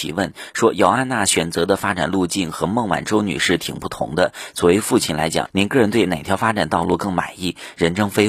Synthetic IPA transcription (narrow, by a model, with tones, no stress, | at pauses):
ḭ˨˩wə˥˩n | ʂwɔ˥jɑ˧˩ʊa˥˧nna˥˩ɕɥɛ˨˩nt͡sɤ˧˥d̪ə˧fa˥ʈ͡ʂa˨˩nlu˥˧t͡ɕi˥˩nxɤ˧˥mɤ˥˩ŋwa̰˨˩nʈ͡ʂo˥ʊny̰˨˩ʂɻ̩˥˩t̪ʰi˨˩ŋpu˥˩t̪ʰʊ̰˧˥ŋd̪ə˧t͡swɔ˨˩we˧˥ɪfu˥˧t͡ɕʰi˥˩nla˧˥ɪt͡ɕjɑ̰˨˩˦ŋni˧˥nkɤ˥˩ɻə˧˥nt̪we˥˩ɪne˨˩ɪt̪ʰjɑ˧˥ʊfa˥ʈ͡ʂa˨˩nt̪ɑ˥˧ʊlu˥˧kɤ˥˩ŋma̰˨˩ɪi˥˩ɻə˧˥nʈ͡ʂɤ˥ŋfe˥ɪ